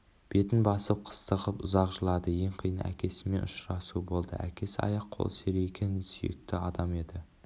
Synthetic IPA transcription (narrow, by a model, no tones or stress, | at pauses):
b̥e̞t̪ɪnbɑsəp̚qʰə̥st̪əʁəpʊzɑqʒəlˠɑd̪əje̞ɴqʰijənə̰æ̰kʲʰe̞sɪme̞nʊʃɾɑsubo̞lˠd̪ə̰ʔæ̰kʲe̞sɑ̰jɑqʰːo̞̰lˠseɾejekʲe̞nɪsy̰jḛk̚t̪ɪɑd̪ɑme̞d̪ɪ